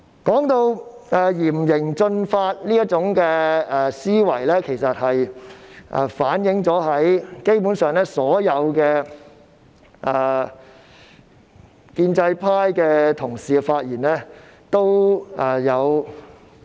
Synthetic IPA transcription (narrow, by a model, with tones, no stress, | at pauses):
kɔː˨˥ŋt̪o˧wɛː˨jiː˨˩mjɪ˨˩ŋt͡sɵ˧nfaː˧t̚liː˥jɐ˥t̚t͡sʊ˨˥ŋkɛː˧ɛ˨˩siː˥wɐ̰˨˩jlɛː˥kʰe˨˩jsɐ˨t̚hɐ˨jʔɛ̰˨˩faː˨˥njɪ˨˥ŋt͡sɔː˨˥ɦɐ˨˥jke˥jpuː˨˥nsœː˨ŋlɛː˥sɔː˨˥jɐ˨˧wkɛː˧ | ʔɛː˨˩ | kiː˧nt͡sɐ˧jpʰaː˥jkɛː˧t̪ʰʊ˨˩ŋsiː˨˧faː˧t̚jiː˨˩nlɛː˥ | t̪o˥wɛ˨˩jɐ˨˧w